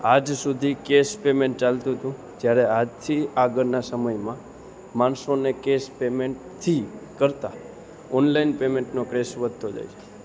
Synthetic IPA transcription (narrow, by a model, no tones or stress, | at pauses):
ad͡ʒsud̪ʱikespemeɳʈ̚t͡ʃalt̪ũt̪ũ | d͡ʒjaɾɛad͡ʒt̪ʰiaɡəɾnasəməjmã | mansonekespemeɳʈt̪ʰikəɾt̪a | ɔnlainpemeɳʈnokɾesʋəd̪ʱt̪od͡ʒa̰jd͡ʒʰe̥